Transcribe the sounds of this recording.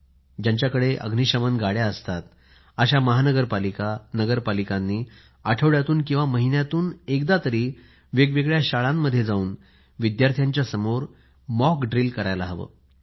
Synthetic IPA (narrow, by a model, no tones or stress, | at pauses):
d͡ʑaɲt͡ɕjakəɽeʔə̰ɡʱniɕəmənɡaɽjaəst̪at̪ | əɕaməɦanəɡəɾpalikatnəɡəɾpalikanːiː | aʈʰəʋɭjat̪uːnkĩw̃ʋaməɦinjat̪uːnekd̪at̪əɾiː | ʋeɡʋeɡɭjaɕaɭamːəd̪ʱjed͡zauːn | ʋid̪jaɾt̪ʰjaɲt͡ɕjasəmoɾ | mɔkɖɾilkəɾajlaɦʋə̰ː